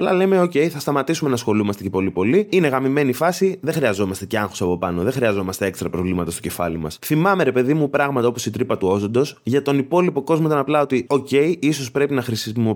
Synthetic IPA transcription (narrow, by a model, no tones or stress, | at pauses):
ɐplɐle̞me̞o̞ce̞iθɐst̪ɐmɐt̪isume̞nɐsxo̞lumɐst̪ecepo̞lipo̞liine̞ɣɐmime̞nifɐsiðexɾiɐzo̞mɐst̪e̞ce̞ɐŋxosɐpo̞pɐno̞ðeŋxɾiɐzo̞mɐst̪ee̞kst̪ɾɐpɾo̞vlimɐt̪ɐst̪oce̞fɐ̰limɐ̰sθimɐme̞ɾe̞pe̞ðimupɾɐɣmɐt̪ɐo̞posit̪ɾipɐt̪uo̞zo̞nd̪o̞sʝɐt̪o̞nipo̞lipo̞ko̞zmo̞it̪ɐnɐplɐo̞t̪io̞ce̞iiso̞spɾe̞pinɐxɾisimo